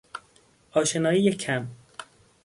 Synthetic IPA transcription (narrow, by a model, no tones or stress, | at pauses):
ɒːʃenɒːiːjecʰæm